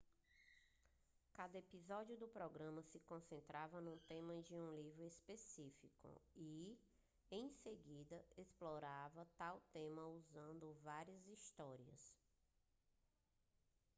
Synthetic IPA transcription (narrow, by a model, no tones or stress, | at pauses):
kad̪ɐepizɔd͡ʒiʊd̪ʊpɾɔɡɾɐ̃mɐsɪkõsẽnt̪ɾavɐnũt̪ẽmɐd͡ʒɪũlivɾʊespesifikʊ̰i | ẽj̃seɡid̪ɐesplɔɾavɐt̪awt̪ẽmɐuzɐ̃nd̪ʊvaɾiɐzist̪ɔɾiɐ̰s